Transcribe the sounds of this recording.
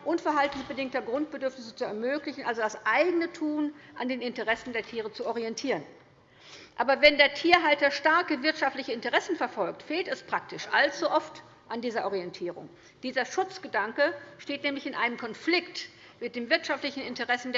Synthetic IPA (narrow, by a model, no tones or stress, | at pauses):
ʔʊnfɛɐɦaltn̩sb̥ədɪŋk̚tɐɡʁʊntb̥ədʏɐfnɪsə̥t͡suɛɐmøːklɪçn̩ʔalzodasʔaɪɡənətʰuːnʔandeːnɪntəʁɛsn̩deːɐtʰiːʁ̞ət͡suɔʁiɛntʰiːʁən | ʔa̰ːbɐvɛndeːɐtʰiːɐɦaltɐʃtaɐkəvɪɐtʃaftlɪçəɪntəʁɛsn̩fɛɐfɔlk̚tfeːltɛspʁ̥ak̚tɪʃʔa̰lt͡suʔɔft | ʔandiːzɐʔɔʁiɛntʰiːʁʊ̰ŋ | d̥iːzɐʃʊt͡sɡ̥ədaŋkəʃteːtnɛːmlɪçɪnʔaɪnəmkʰɔnflɪkt | mɪt̚d̥eːmvɪɐtʃaftlɪçn̩ɪntəʁɛsn̩d